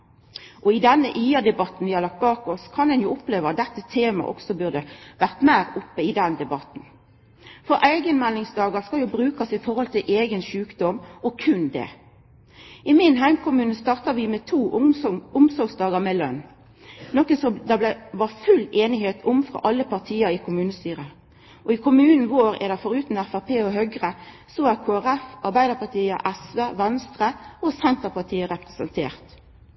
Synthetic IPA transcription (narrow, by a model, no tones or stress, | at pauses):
ʔɔɪd̪ɛnːəʔiːɑd̪ɛbɑt̪n̩ʋɪhɑʁlɑk̚t̪̚bɑːkɔskʰɑnd̪ɛnjuːʊpleːʋəɑt̪̚d̪ɛt̪ːət̪ʰeːmɑ̰ʔɔ̰ksɔbʉʁd̪əʋæʁt̪mæɪʁʊpːəɪd̪ɛnd̪ɛbɑt̪n̩ | fɔɾʔæɪɡənmɛlːɪŋsd̪ɑːɡəskɑljʊːbʁʉːkɑsɪfɔʁhɔlt̪ʰɪlʔeːɡənʃʉːkd̪ɔmɔkʰʉnd̪ɛ̰ː | ʔɪmɪnɦæɪmkʊmʉːnəst̪ɑːʁt̪ɑʋɪmɛt̪ʰuːʊmsɔɾɡsd̪ɑːɡəmɛlœ̰nː | nɔkənsɔd̪ɑblæʋɑfʉleːnɪheːt̪ʰʊmfʁɔ̰ʔɑlːəpɑʁt̪ʰiːəɾɪkʰʊmʉːnəst̪yːʁə | ʔɔɪkʰʊmʉːnn̩ʋoːɾɛ̰d̪ɛfɔɾʉːt̪n̩æfæʁpʰeːɔɦœɡʁə | sɔækʰoːæʁɛfɑɾbæɪd̪əʁpɑt̪iːə̰ʔɛsʋeːʋɛnst̪ʁəɔsɛnt̪əʁpɑt̪ʰiːəɾɛpʁɛsənt̪ʰḛːʁt̪